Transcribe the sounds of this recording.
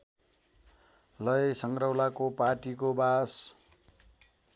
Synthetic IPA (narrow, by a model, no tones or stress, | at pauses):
lʌjsʌŋɡrʌwlakoparʈikobas